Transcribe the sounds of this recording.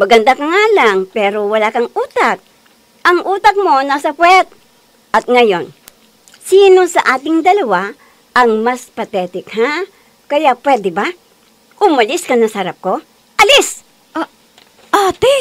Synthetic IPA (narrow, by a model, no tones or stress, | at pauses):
mɐɡɐnd̪akɐŋaːlaŋpɛːɾowɐlakɐŋʔuːt̪ak̚ | ʔɐŋʔuːt̪ɐk̚mo̞nasɐpwɛt̪̚ | ʔɐt̪̚ŋɐjo̞n | siːnosɐʔaːt̪ɪŋd̪ɐlɐwa | ʔɐŋmɐspɐt̪ɛːt̪ɪkha | kɐjaʔpwɛd̪ɛba | ʔʊmɐlɪskɐnɐsɐhɐɾap̚ko̞ | ʔɐlɪs | at̪ɛ